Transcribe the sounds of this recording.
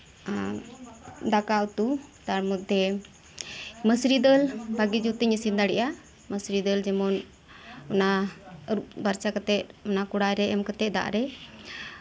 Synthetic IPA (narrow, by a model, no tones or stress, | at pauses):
d̪akaut̪ut̪aɾmutd̪ɛ | məsɾid̪əlbaɡid͡ʒut̪əɲəsind̪aɽɛʔa | məsɾid̪əld͡ʒɛmɔn | ɔnaəɾuʔbaɾt͡ʃakət̪ɛt̪̚ɔnakuɽajɾɛɛmkət̪ɛʔ̚d̪a̰ʔɾɛ